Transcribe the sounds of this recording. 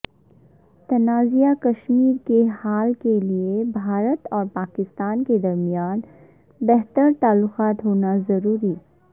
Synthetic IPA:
t̪ɐnaːzijakɐʃmiːɾkehaːlkeliebʱaːɾət̪ɔːɾpaːkɪst̪aːnked̪ɐɾmijaːn | bɛɦt̪əɾt̪aːlːʊqaːt̪ɦoːnazɐɾuːɾi

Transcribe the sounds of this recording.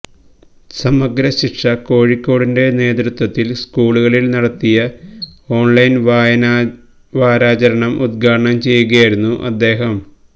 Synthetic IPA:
sɐmɐɡɾɐɕiʈʂɐko̞ːɻikːo̞ːɽinde̞ne̞ːd̪ɾut̪wɐt̪ːilskuːɭuɣɐɭilnɐɽɐt̪ːijɐo̞ːɳlɐjn | ʋaːɾaːt͡ɕɐɾɐɳɐmʔud̪̚ɡʱaːɖɐɳɐmt͡ɕe̞jːuɣɐjaːjiɾunːuʔɐ̰d̪ːe̞ːɦɐm

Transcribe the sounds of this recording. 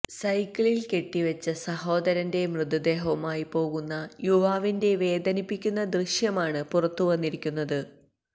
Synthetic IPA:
sɐjkːɐɭilke̞ʈːiʋɐt͡ɕːɐsɐho̞ːd̪ɐɾɐnde̞mrɨd̪ɐd̪e̞ːɦɐmaːjipo̞ːɣunːɐjuʋaːʋinde̞ʋe̞ːd̪ɐnipːikʲːunːɐd̪rɨɕjɐmaːɳɨpurɐt̪ːuʋɐnːiɾikʲːunːɐðɨ

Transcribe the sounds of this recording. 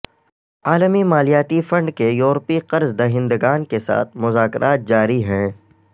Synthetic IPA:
aːləmimaːlijaːt̪ifɐ̃ɳɖkejuːɾpiqɐɾzd̪ɐɦɪ̃nd̪əɡaːnkesa̰ːt̪̚ʰmʊzaːkɾʔaːt̪̚d͡ʒaːɾiɦɛ̃ː

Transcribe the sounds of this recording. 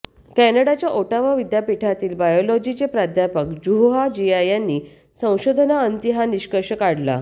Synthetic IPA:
kɛnəɽat͡ɕjaʔoʈaʋaʋid̪japiʈʰat̪iːlbajolɔd͡ʑit͡ɕepɾad̪ʱjapəkd͡ʑuɦoɦad͡ʑiajãnːiː | sə̃w̃ɕod̪ʱənaənt̪iɦaniɕkəɾɕəkaɽla̰

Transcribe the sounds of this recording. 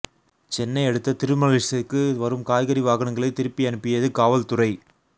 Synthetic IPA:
t͡ʃɛnːɐɪɛɽɯt̪ːɐt̪ɪɾɯmɐɣɪsɪkːɯʋɐɾɯmkaːjɣɐɾiʋaːɣɐɳɐŋɡɐɭɐɪt̪ɪɾɯpːiɐnɯpːɪjɐðɯkaːʋɐlt̪ʊrɐɪ

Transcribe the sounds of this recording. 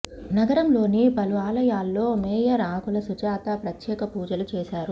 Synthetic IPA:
nɐɡɐɾɐmlo̞ːnibɐluʋaːlɐjaːlːo̞ːmɛːjɐɾaːkulɐsut͡ʃaːt̪ɐpɾɐt̪jɛːkɐpuːd͡ʒɐlut͡ʃeːʃaːɾu

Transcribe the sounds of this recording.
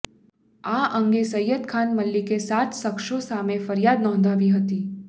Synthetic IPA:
aʔəŋɡesəjːət̪kʰanməlːikesat̪səkʃosamefəɾjad̪nɔ̃nd̪ʱaʋiɦət̪i

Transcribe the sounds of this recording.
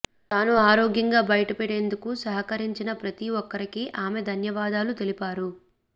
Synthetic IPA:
t̪aːnuaːɾoːɡjɐŋɡaːbɐjʈɐpeɽe̞ːnd̪ukusɐɦɐkɐɾiɲt͡ʃinɐpɾɐt̪iʋɔkːɐɾikiʔaːmed̪ʱɐnjɐʋaːd̪aːlut̪e̞lipaːɾu

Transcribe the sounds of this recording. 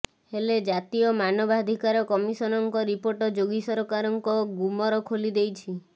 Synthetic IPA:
heled͡ʒat̪iɔmanɔbad̪ʱikaɾɔkɔmisɔnɔŋkɔɾipoɾʈɔd͡ʒoɡisɔɾɔkaɾɔŋkɔɡumɔɾɔkʰolid̪ejt͡ʃʰi

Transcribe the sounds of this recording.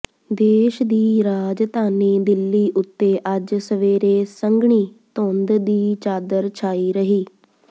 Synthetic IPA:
d̪eːʃd̪iːɾaːd͡ʒt̪aːneːd̪ɪlːiːʔʊt̪ːeːʔəd͡ʒsəʋeːɾeːsəŋɡɳiːt̪õːnd̪d̪iːt͡ʃaːd̪əɾt͡ʃʰaːiːɾəɦiː

